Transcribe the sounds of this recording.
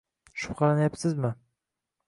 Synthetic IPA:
ʃʊ̥pqʰɑlˠanajapsɪzmɪ

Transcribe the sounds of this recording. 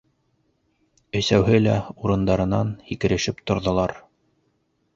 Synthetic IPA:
ɵ̆sæwɦɘlæuɾɤ̆nd̪ɑɾɤ̆nɑnhikɘ̆ɾɘ̆ʃɘpt̪ŏɾðŏlˠɑɾ

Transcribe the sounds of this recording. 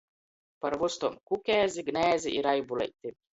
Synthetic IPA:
pɐɾvust̪omkukʲɛːzʲiɡnʲæːzʲiʔiɾajbulɛ̰jt̪ʲːi

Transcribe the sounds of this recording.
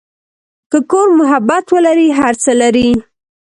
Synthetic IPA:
kəkoɾmʊɦabat̪wəlaɾiɦaɾt͡səlaɾi

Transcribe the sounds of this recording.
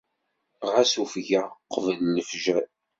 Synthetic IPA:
ʁæsufʝæqəvəlnəfʒæ

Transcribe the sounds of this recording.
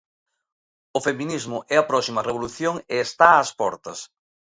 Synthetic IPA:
ʊfeminizmʊʔɛɐpɾɔsimɐreβ̞oluθjoŋeːst̪aːspɔɾt̪ɐs

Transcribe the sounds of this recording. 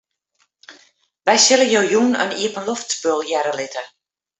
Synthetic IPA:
ʋɛjsɪləjoːjunə̰niəpənloftspølˠjɛɾəlɪtʰə

